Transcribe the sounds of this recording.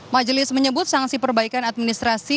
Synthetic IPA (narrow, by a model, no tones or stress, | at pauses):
mad͡ʒəlɪsməɲəbʊt̪̚saŋsipərbaikanat̪̚minist̪ɾasi